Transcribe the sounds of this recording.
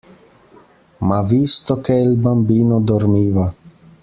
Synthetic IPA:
maviːst̪ɔkɛlbambiːnɔd̪ɔɾmiːva

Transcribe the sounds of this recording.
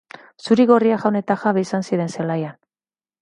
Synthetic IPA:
suɾiɣo̞riaxawne̞t̪axaβeisansiðe̞nse̞lajan

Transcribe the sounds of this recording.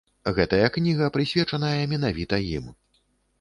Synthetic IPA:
ɣɛt̪ɐjɐknʲiɣɐpɾɨsʲvʲɛt͡ʂɐnɐjɐmʲɛnavʲit̪ɐjḭm

